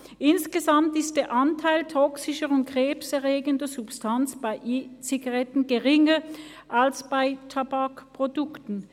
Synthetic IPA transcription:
ʔɪnsɡ̥əzamtɪstd̥eːɐʔantʰaɪltʰɔksɪʃəʁʊnt̚ɡʁ̥eːpsɛɐʁeːɡəndɐzʊpstʰant͡sb̥aɪʔiːt͡siɡaʁɛtn̩ɡeʁɪŋə | ʔalsb̥aɪtʰabakpʁ̥odʊktn̩

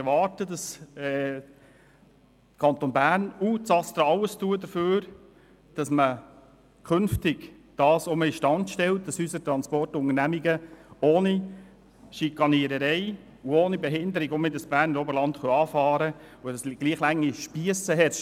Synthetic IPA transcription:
ɛɾʋɑːɾtədɑsɛː | kʰɑnt̪oːnbæːɾnuːsɑst̪ɾəɑləstuədəføːɾ | d̥ɑsmə | kʰɵnftɪɡ | d̥ɑːsoməɪʃtɑntʃtɛlt̚d̥ɑsysət̪ɾɑnspɔrtʊŋəɾnæmiɡəoːni | ʃikɑniəɾəɾɛɪ | uoːnibɛɦɪndəɾɪɡɔmɪdəsb̥æːɾnəɾɔbəɾlɑntχɔɑːfɑːɾə | odɑsɡ̥liːχlæŋːiʃpiəsəɦɛt

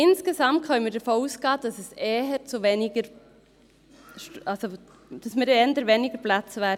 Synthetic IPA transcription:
ɪnsɡ̥esɑmt̚kʰœʏməɾdəɾfouːsɡ̥ɑːd̥ɑsɛsɛːɦɛt͡suvenɪɡəɾ | ʃɑlso | d̥ɑsmɪɾɛndəɾveːnɪɡəɾplat͡svɛːɾ

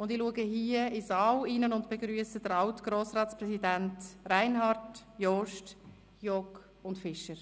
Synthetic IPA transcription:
ʊndɪluəɡəɦiːəizɑːwiːnənʊndb̥eɡɾyːəsədəɾɑwtɡ̥ɾoːsɾɑːtsprɛsidæntraɪnhɑɾtjɔʃt | jɔk | ʊntfɪʃəɾ

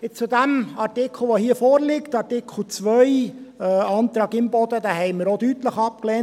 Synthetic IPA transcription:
ɪt͡sudæmɑɾtɪkʰl̩ʋohiːəfɔːɾlɪktɑɾtɪkʰl̩ˠt͡svœj | ɑnt̪ɾɑːɡɪmbɔd̪əd̪æhɛɪməɾodytləχɑp̚klɛːnt

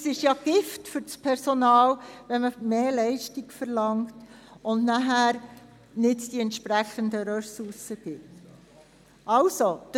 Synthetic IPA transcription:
sɪʃjɑɡ̥ɪftfʏɾspʰɛɾsonɑːlʋɛnməmeːlɛɪʃtiɡfəɾlɑŋtʊndnæɦæːɾ | nɪtd̥iɛntʃpɾæχənd̪əɾœsuɾsəɡ̥ɪt | ʔɑlsod̥̪

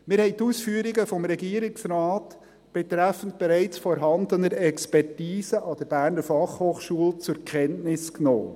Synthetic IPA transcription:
mɪɾhɛɪtuːsfyːəɾiɡəfɔmɾɛɡiːəɾɪksɾɑːt | b̥ɛt̪ɾæfən̩t̚b̥eɾæɪt͡sfɔɾɦɑnd̪ənəɾɛkspɛrtiːsəʔɑd̥əɾb̥æːɾnəɾfɑχhoːχʃuəlt͡sʊɾkʰɛntnɪskno̰ː

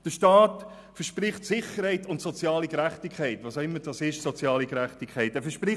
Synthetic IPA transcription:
d̥əʃtɑːt | fəʃpɾɪχtsɪχəɾhɛɪtʊntsɔt͡sjɑːliɡɾæχtikʰχɛɪtʋɑːsaʊɪmːəd̥ɑsɪʃsɔt͡sjɑːlikɾæχtikʰχɛɪtɛːfəʃpɾɪ

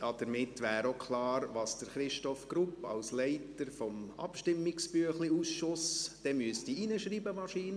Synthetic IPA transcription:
ɑd̥̪əɾmɪtːʋæːɾokʰlɑːɾʋɑːsd̥əɾχɾɪʃtɔfɡɾupːɑ̰lslɛɪtəɾfɔmɑ̰pʃtɪmːɪksbyəχliuːsʃʊsd̥ɛmyəsd̥iinəʃɾiːbəmɑʃiːn

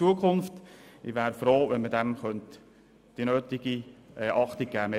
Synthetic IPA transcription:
t͡suəkʰχʊnftɪʋæːɾfɾoːʋɛnmədɛmχœnt | d̥inøːt̪ɪɡ̥iʔɛʔɑχt̪ɪɡ̚ɡ̥æːme

